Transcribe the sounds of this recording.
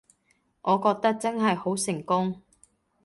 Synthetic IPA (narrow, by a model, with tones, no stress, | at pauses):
ʔɔː˨˧kɔː˧k̚t̪ɐ˥k̚t͡sɐ˥nɦɐ˨jho˨˥wsɪ˨˩ŋkʊ˥ŋ